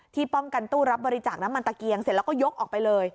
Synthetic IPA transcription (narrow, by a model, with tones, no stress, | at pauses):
t̪ʰiː˥˩pɔ˥˩mka˧nt̪uː˥˩ɾa˦˥p̚bɔː˧ɾi˦˥t͡ɕaː˨˩k̚na˦˥mːa˧nt̪a˨˧˩ki˧əŋse˨˩˦lːwkɔː˥˩jo˦˥k̚ʔɔː˨˩pa˧jlɤː˧j